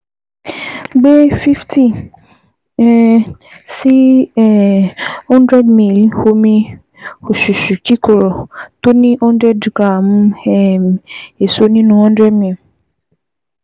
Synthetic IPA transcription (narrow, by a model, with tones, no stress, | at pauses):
ɡ͡be˦fi˦fti˦˨ | si˦ɛ˨hɔ̃˦ndɾɛ˦dmĩ˦˨lho˧mĩ˧ | o˨ʃu˨ʃu˨ki˦ko˨ɾɔ˨to˦nĩ˦ɔ̃˦ndɾɛ˦dɡɾa˦˨m˦ɛ˦˨me˨so˨˦nĩ˦nũ˧hɔ̃˦ndɾɛ˦dmĩ˨l